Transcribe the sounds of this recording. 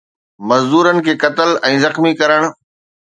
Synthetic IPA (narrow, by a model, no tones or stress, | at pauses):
mɐzd̪uːɾənɪ̆kʰeːkɐt̪əlɛ̃ːzɐxmikɐɾəɽ̃